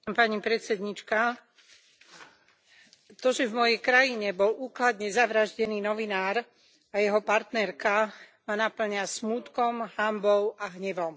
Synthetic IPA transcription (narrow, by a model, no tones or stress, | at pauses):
mpaɲipɾɛt̪t͡sɛd̪ɲit͡ʃka | t̪ɔʒɛvmɔjɛjkɾajiɲɛbɔlʔuːklad̪ɲɛzaʋɾaʒɟɛniːnɔʋinaːɾ | ajɛɦɔpaɾt̪nɛɾkamanapl̩ɲasmuːt̪kɔmhambɔʊaɦɲɛʋɔm